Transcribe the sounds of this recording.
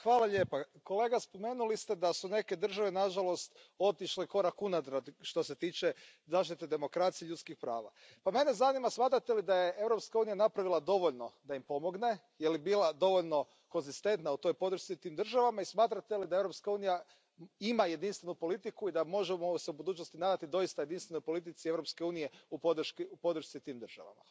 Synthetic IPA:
xʋaːlˠaʎe̞ːpako̞le̞ːɡaspo̞me̞ːnulist̪ed̪asune̞ke̞d̪r̩ʒaʋenaʒalo̞st̪o̞t̪iʃleko̞ɾakunad̪ɾad̪ʃt̪o̞se̞t̪iːt͡ʃe | zaːʃt̪it̪ed̪e̞mo̞kɾat̪sijeʎut̪skixpɾa̰ːʋa̰ | pame̞ne̞zanimasmaːt̪ɾat̪e̞lid̪ajeʔe̞ʋɾo̞pskauːnijanapɾaʋilˠad̪o̞ʋo̞ʎno̞d̪aimpo̞mo̞ɡne̞ | jelibiːlad̪o̞ʋo̞ʎno̞ | ko̞nzist̪e̞nt̪naut̪o̞jpo̞d̪ɾ̩ʃt̪sit̪iːmd̪r̩ʒaʋamaismaːt̪ɾat̪e̞lid̪ae̞ʋɾo̞pskauːnija | imaje̞d̪inst̪ʋe̞nupo̞lit̪ikuid̪amo̞ʒemoseubud̪uːt͡ʃnost̪inaːd̪at̪id̪o̞jist̪ajed̪inst̪ʋeno̞jpo̞lit̪̬it̪sievɾo̞pskeuːnije̞upo̞d̪ɾ̩ʃkiupo̞d̪ɾ̩ʃt̪sit̪iːmd̪r̩ʒ̥a̰ʋa̰ma̰

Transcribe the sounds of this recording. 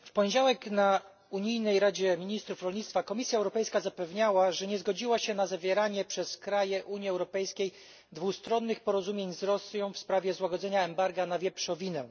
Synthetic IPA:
fpɔɲed͡ʑawɛkna | uɲijnɛjɾad͡ʑɛmʲiɲist̪ɾufɾɔlɲit̪t̪fakɔmʲisʲjaɛwɾɔpɛjskazapɛvɲawaʐɛɲɛzɡɔd͡ʑiwaɕɛnazavʲjɛɾaɲɛpʂɛskɾajɛʔuɲjiɛwɾɔpɛjskʲej | d̪vust̪ɾɔnːɘxpɔɾɔzumʲjeɲzɾɔsjɔ̃w̃fspɾavʲjɛzwaɡɔd̪zɛɲaɛmbaɾɡanavʲjɛpʂɔ̃vʲinɛ

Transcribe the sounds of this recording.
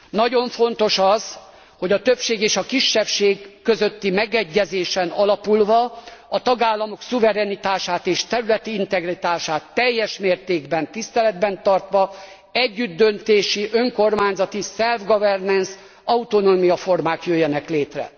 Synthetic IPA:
nɒɟo̞ɱfo̞nt̪o̞ʃɒz̥ | ho̞ɟɒt̪øpʃeːɡeːʃɒkiʃːɛfʃeːɡːøzø̞t̪ːimɛɡɛɟːɛzeːʃɛnɒlɒpulvɒɒt̪ɒɡaːlːɒmo̞ksuvɛɾɛnit̪aːʃaːt̪eːʃt̪ɛɾylɛt̪iint̪ɛɡrit̪aːʃaːt̪ːɛjːɛʃmeːrt̪eːɡbɛnt̪ist̪ɛlɛd̪bɛnt̪ɒrt̪ʋɒ | ɛɟːyd̪ːø̞nt̪eːʃiʔø̞ŋko̞rmaːɲzɒt̪isɛlvɡɒvɛrnɛns | ɒut̪onoːmijɒfo̞rmaːkjøjːɛnɛkleːt̪rɛ̰

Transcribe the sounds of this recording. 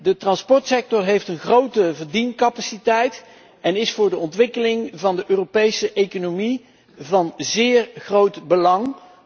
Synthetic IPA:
dətrɑnspɔɹtsɛk̚tɔrɦejftənχrowtəvəɹdinkɑpasitɛjt | ɛnɪsfʊːɹdəɔntʋɪkəlɪŋvɑndəʔøːropejsəʔejkonomi | vɑnzɪːɹχrowtbəlɑŋ

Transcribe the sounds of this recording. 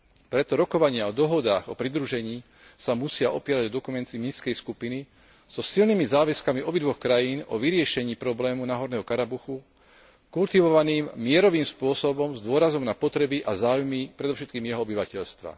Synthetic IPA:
pɾɛt̪ɔɾɔkɔʋaɲɪaɔd̪ɔɦɔd̪aːɣɔpɾid̪ɾuʒɛɲiː | samusɪaʔɔpiɪɛɾaɟɔd̪ɔkumɛnt̪imiskɛjskupini | z̥ɔsilnimizaːʋɛskamiɔbid̪ʋɔxkɾajiːnɔʋiɾɪɛʃɛɲiːpɾɔblɛːmunaɦɔɾnɛːɦɔkaɾabuxu | kult̪iʋɔʋaniːmːɪɛɾɔʋiːmspʊɔsɔbɔmzd̪ʊɔɾazɔmnapɔt̪ɾɛbiʔazaːwʊjmipɾɛd̪ɔfʃ̬ɛt̪̚kiːmjɛɦɔɔbiʋacɛʎst̪ʋa̰

